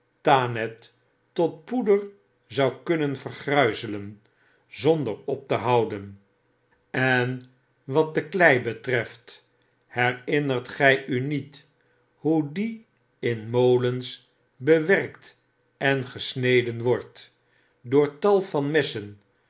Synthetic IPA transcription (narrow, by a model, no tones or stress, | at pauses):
taːnɛtː | ɔt̚pudəɹ | zɑwkɵnənvərχrœɥzələn | zɔndəɹɔp̚təɦɑwdən | ɛn | ʋɑt̚dəklɛjbətrɛft | hɛrɪnərtχɛjʔynit | hudi | ɪnmowləns | bəʋɛrkt | ɛnχəsnejdənʋɔɹt | dʊːɹtɑlˠfɑnmɪsən